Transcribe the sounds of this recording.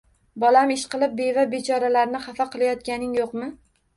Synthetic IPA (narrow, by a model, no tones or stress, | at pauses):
bɒlamɪʃqɨlˠɪp̚bevabet͡ʃʰɒɾalaɾnɪχafaqɨlˠajɒt̪̚kʲanɪŋjoqmɪ